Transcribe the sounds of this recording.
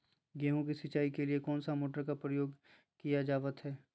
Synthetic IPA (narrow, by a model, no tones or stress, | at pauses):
ɡɛːɦõkisɪt͡ʃaːikeliekɔːnsamoːʈəɾkapɾəjoːɡ | kijad͡ʒaːʋət̪ɦɛː